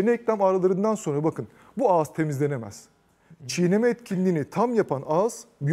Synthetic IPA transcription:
enɛɛclʲæmaːɾalˠaɾɯnd̪anso̞nɾabakʰɯn | buaːz̥t̪ʰe̞mizlʲe̞ne̞mæ̰z̥ | t͡ʃʰijenemɛːt̪cʰinlʲiːnit̪ʰamjapʰanaːz̥b

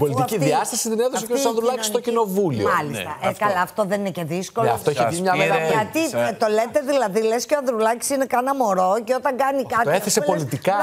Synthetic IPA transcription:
polit̪iciðiɐst̪ɐsist̪ineðossikesɐðɾulɐcisst̪o̞kcino̞vulḭoɐlist̪ɐʔekɐlɐːft̪oðeninece̞ðiskolɐ̰ft̪oiçeimɲɐveɐt̪it̪o̞let̪e̞ðilɐðilesceoɐðɾulɐci̥sinekɐnɐmo̞ɾo̞ceo̞t̪ɐŋɡɐnikɐt̪oeθesepo̞lit̪ikɐ

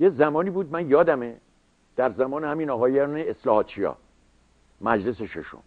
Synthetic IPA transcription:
jezæmɒːniːbuːd̪̚mænjɒːd̪æme | d̪̥æɾzæmɒːnehæminɒɦɒːjæneeslɒːhɒːt̪̚t͡ʃʰijɒ̰ː | mæd͡ʒleseʃḛʃo̰m

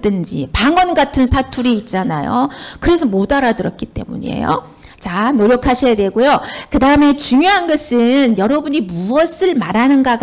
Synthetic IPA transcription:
ɯnd͡ʑḭpaŋwʌnɡatʰɯnsʰatʰuɾiːt̚t͡ɕ͈ana̰jo̰kɯɾe̞sʰʌmodaɾadɯɾʌt̚k͈it͈e̞̰mṵɲḭḛjo̰ | t͡ɕanoɾjʌkʰaɕʰʌjadwe̞ɡojokɯdaɯme̞t͡ɕuŋjoɦanɡʌsʰɯnjʌɾʌbuɲimuʌsʰɯɭmaɾanɯnɡaɡ

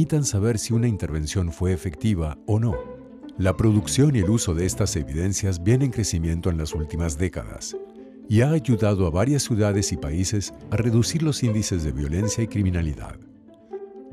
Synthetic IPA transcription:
it̪ansaβe̞ɾsiunaint̪e̞ɾβe̞nsjo̞nfwe̞ːfe̞k̚t̪iβ̞aono̞ | lapɾo̞ðuksjo̞nie̞luso̞ðeest̪ase̞βiðe̞nsjazbje̞ne̞ŋkɾe̞simjẽ̞nt̪o̞e̞nlasult̪imazðe̞ka̰ða̰s | iaːʝuðaðoaβaɾjasːjuðaðe̞sipaise̞sare̞ðusiɾlo̞sind̪ise̞zðe̞βjo̞le̞nsjaikɾimĩnaliða̰ð

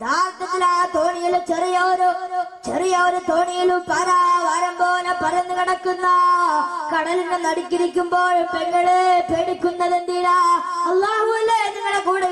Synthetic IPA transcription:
d̪ʱaːɾt̪ːɐt̪ːilaːnɐt̪o̞ːɳijilut͡ɕerijɐoɾut͡ɕerijɐoɾut̪oːɳijilumpɐɾaːjɐʋɐɾɐmboːlɐpɐrɐjɐnːɨkiɽɐkːunːɐ | kɐɽɐlinenɐɽikʲːiɾikʲːumboːɭpeŋɡɐɭepeɽikʲːunːɐðenɖ̪iːlaɐlːaːɦuilːɐeniŋːɐɽekuːɽɐ

